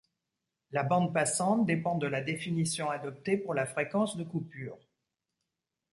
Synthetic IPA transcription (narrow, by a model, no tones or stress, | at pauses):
labɑ̃d̪̚pasɑ̃t̪̚d̪epɑ̃d̪əlad̪efinisjɔ̃ad̪ɔp̚t̪epuʁlafχekɑ̃sd̪əkupyːʁ